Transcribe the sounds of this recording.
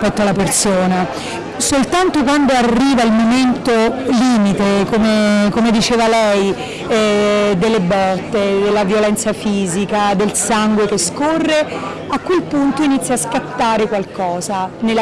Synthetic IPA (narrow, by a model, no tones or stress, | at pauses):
pɛt̪ːoalapersoːna | solt̪ant̪okwand̪oarːiːvailmoment̪oliːmit̪ekomekomed̪it͡ʃeːvalɛj | d̪elːebɔt̪ːed̪elːavjolɛnt̪safiːzikad̪elsaŋɡwekeskorːe | akːwelpunt̪oinit̪sːjaskat̪ːaːɾekwalkɔːzanel